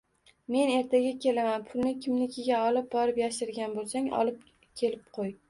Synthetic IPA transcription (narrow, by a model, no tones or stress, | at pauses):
me̞ne̞ɾt̪ʰaɡʲakʲʰe̞lamanpʰʊlˠnɪkʲʰɪmnɪkʲʰɪɡʲaɒlɪp̚bɒɾɪpjaʃɪɾɡʲanbolˠsaŋɒ̰lˠɪp̚ | kʲʰe̞lɪp̚qʰoj